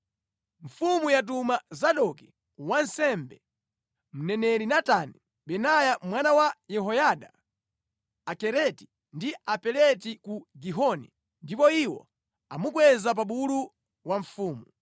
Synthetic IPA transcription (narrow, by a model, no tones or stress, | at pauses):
ɱ̩fumujat̬umazaɗɔki | wansɛmbɛ | m̩nɛnɛɾinatani | ɓɛnajamwanawajɛɦɔjaɗa | kɛɾɛti̥ | ndiapɛlɛtikuɡiɦɔnḭ | ndipɔiwɔ̰ | a̰muk̬wɛzap̬aɓulu | waɱ̩fuːmu